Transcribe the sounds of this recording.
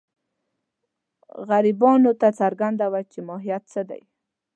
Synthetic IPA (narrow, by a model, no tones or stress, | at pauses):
ɣaɾibɑnot̪at͡saɾɡand̪awat͡ʃemɑɦijat̪t͡səd̪a̰j